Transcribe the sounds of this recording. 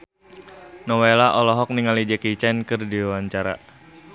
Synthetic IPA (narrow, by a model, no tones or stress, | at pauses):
nɔwelaʔɔlɔɦɔk̚niŋalid͡ʒəkit͡ʃɛnkɨrdiwaɲt͡ʃaɾa̰